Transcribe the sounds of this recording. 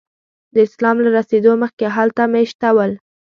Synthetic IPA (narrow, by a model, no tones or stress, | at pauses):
d̪əɪslɑmlaɾased̪oməxkeɦalt̪ameʃt̪awəl